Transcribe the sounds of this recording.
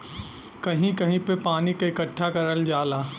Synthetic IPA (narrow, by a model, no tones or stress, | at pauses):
kɐɦĩkɐɦĩpepaːnikaɪkəʈʰːakɐɾəld͡ʒaːlaː